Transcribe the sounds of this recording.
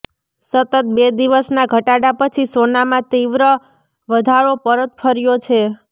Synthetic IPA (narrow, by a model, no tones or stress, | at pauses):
sət̪ət̪̚bed̪iʋəsnaɡʱəʈaɽapət͡ʃʰisonamãt̪iʋɾə | ʋəd̪ʱaɭopəɾət̪̚fʰəɾjot͡ʃʰe